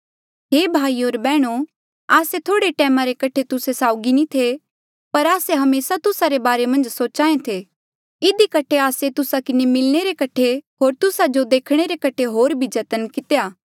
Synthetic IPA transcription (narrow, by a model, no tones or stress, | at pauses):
ɦeːbʱaːioːɾbɛːɽ̃o | aːset̪ʰoːɽeʈɛːmaɾekɐʈʰet̪ʊsesaːʊɡinĩt̪ʰe | pɐɾaːseɦɐmeːsat̪ʊsaɾebaːɾemɐ̃nd͡ʒsoːt͡ʃãːẽt̪ʰe | ɪd̪ikɐʈʰeaːset̪ʊsakɪnemɪlɽ̃eɾekɐʈʰeɦoːɾt̪ʊsad͡ʒod̪eːkʰɽ̃eɾekɐʈʰeɦoːɾbʱid͡ʒɐt̪ənkɪt̪ejaː